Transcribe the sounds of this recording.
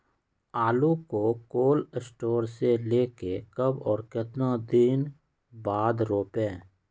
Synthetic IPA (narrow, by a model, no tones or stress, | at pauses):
aːlukokoːləsʈoːɾseleːkekəbɔːɾkɪt̪nad̪in | baːd̪ɾoːpẽː